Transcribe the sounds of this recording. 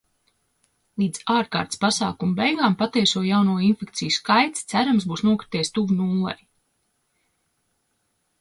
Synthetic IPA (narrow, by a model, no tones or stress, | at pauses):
lˠiːd̪z̥aːɾka̰ːɾt̪spasa̰ːkumubɛjɡaːmpat̪iɛsuɔjawnuɔinfek̚t̪sijuskajt̪st̪sæɾamsbuːsnuɔkɾi̥t̪iɛst̪uvunuːlˠɛ̰j